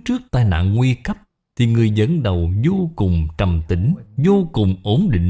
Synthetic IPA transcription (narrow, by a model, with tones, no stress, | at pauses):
t͡ɕɨ˦˥ək̚t̪aː˧jna̰ː˧˨ŋŋwi˧kə˦˥p̚ | t̪ʰi˨˩ŋɨ˨˩əjzə̰˧˥nɗə˨˩wzo˧kʊ˨˩ŋ͡mt͡ɕə˨˩mt̪ï˨˦ŋ̟zo˧kʊ˨˩ŋ͡mʔo˨˦nɗḭ̈˧˨ŋ